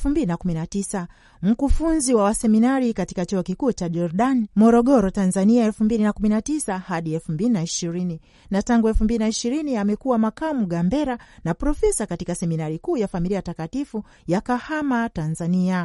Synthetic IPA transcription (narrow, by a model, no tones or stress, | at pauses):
fumbilinakuminatisa | m̩kufunziwawasɛminaɾikati̥kat͡ʃuɔkikuːt͡ʃaʄɔɾɗanimɔɾɔɠɔɾɔtanzaniaɛlfumbilinakuminatisahaɗiɛlfumbilinaiʃiɾini | nataŋɡuɛlfumbilinaiʃiɾiniamɛkuwamakamuɠambɛɾanapɾɔfɛsakatikasɛminaɾikuːjafamiliajtakatifu | jakahamatanzania